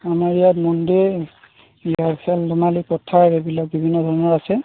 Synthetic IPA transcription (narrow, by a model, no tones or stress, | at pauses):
amaɹijatmɔnde | ijakʰɛlːɔnalipɔtʰːaɹɛbilak̚bibʱinːɔdʱɔɹɔnɔɹasɛ